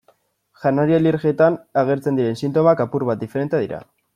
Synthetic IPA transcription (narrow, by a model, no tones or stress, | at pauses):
ʝanaɾialiɾɣiet̪anaɣ̞e̞ɾt͡send̪iɾe̞nsint̪o̞makapuɾβat̪̚d̪ifeɾe̞nt̪eðiɾa̰